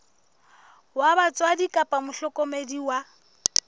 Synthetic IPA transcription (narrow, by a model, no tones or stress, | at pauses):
wabat͡sʼwadikʼapʼamʊɬɔkʼɔmediwa